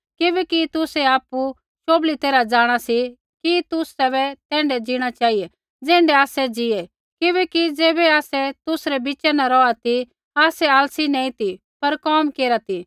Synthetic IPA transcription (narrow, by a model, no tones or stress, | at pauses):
kɪbɛkit̪ʊsɛaːpu | ʃoːblit̪eːɾad͡ʒaːɽ̃asi | kit̪ʊsɛβɛt̪ɛ̃ːɳɖɛd͡ʒiɽ̃at͡ʃaːiɛ | d͡zɛ̃ːɳɖɛaːsɛd͡ʒiɛ | kɪbɛkid͡zeːbɛaːsɛt̪ʊsɾɛbɪt͡ʃɛnaɾɔat̪i | aːsɛaːlsinɛ̃ːĩt̪i | pɐɾkɔːmkeːɾat̪i